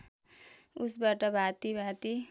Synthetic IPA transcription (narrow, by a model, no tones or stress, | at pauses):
usbaʈʌbʱat̪ibʱat̪i